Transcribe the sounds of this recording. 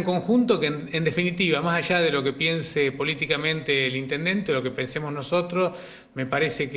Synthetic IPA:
ŋko̞ŋxunt̪okeend̪efinit̪iβamasaʒaðelo̞kepje̞nsepo̞lit̪ikamẽnt̪eːlint̪end̪e̞nt̪elo̞kepensemoznoso̞t̪ɾos | me̞paɾesek

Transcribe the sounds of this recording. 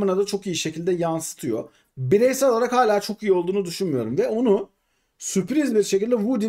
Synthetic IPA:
ɯnad̪at͡ʃʰo̞kijiʃe̞cʰilʲd̪ɛjansɯ̥t̪ʰɯjo | biɾejsɛlˠaɾakhaːlʲaːt͡ʃʰo̞kijio̞lˠd̪uːnud̪yʃunmjo̞ɾumvɛo̞nu | sypɾizbiɾʃecilʲd̪ɛvud̪i

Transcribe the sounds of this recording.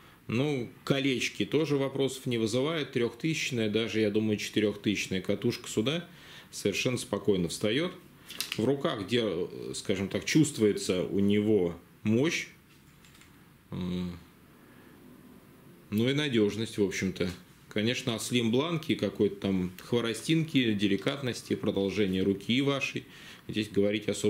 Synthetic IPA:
nukɐlʲet͡ɕkʲɪt̪o̞ʐɨvɐpɾo̞sə̥fnʲɪvɨzɨvajɪt̪ːɾʲo̞xt̪ɨsʲɪt͡ɕnəjəd̪aʐɨjad̪uməjʊt͡ɕɪ̥t̪ɪɾʲo̞xt̪ɨsʲɪ̥ɕnəjəkɐt̪uʂkə̥sʲʊd̪a | səvʲɪrʂɛnːəspɐko̞jnəfst̪ɐjo̞t̪ | vrʊkaɣɡdʲe̞skaʐɨmt̪akt͡ɕust̪vʊjɪt̪səʊ̰nʲɪvo̞ | mo̞ɕ | ə | nuinɐdʲo̞ʐnəsʲtʲvo̞pɕːɪmt̪ə | kɐnʲe̞ʂnəɐslʲimblˠankʲɪkɐko̞jt̪ə̥t̪amxvəɾɐsʲtʲinkʲɪdʲɪlʲɪkat̪nəsʲtʲɪpɾəd̪ɐlˠʐɛnʲɪjəɾʊkʲivaʂɨj | zʲdʲesʲɡəvɐɾʲitʲɪɐso

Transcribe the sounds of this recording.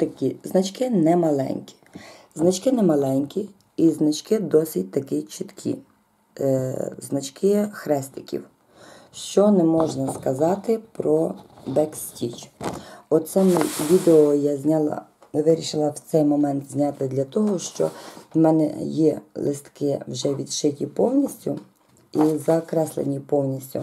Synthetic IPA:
t̪ɐkʲiznɐt͡ʃkɪnɛmɐlˠɛ̰nʲkʲi̥znɐt͡ʃkɪnɛmɐlˠɛnʲkʲi | iznɐt͡ʃkɪd̪ɔsʲit̚ʲt̪ɐkɪt͡ʃɪt̪kʲʰḭ | znɐt͡ʃkɪxɾɛst̪ɪ̥kʲḭw | ʃt͡ʃɔnɛmɔʒnɐskɐzɑt̪ɪpɾɔbɛksʲtʲit͡ʃ | ɔsɛmʋʲid̪eɔjazʲnʲalˠɐ̰ | ʋɪɾʲiʃɪlˠɐwt̪sɛjmɔmɛnt̪zʲnʲɑt̪ɪd̪lʲɐt̪ɔɦɔʃt͡ʃɔ̰mɛnɛ̰jɛlˠɪst̪kɪwʒɛʋʲid̪ʃɪtʲipɔwnʲisʲtʲʊ | izɐkɾɛslˠḛnʲipɔwnʲisʲtʲʊ̰

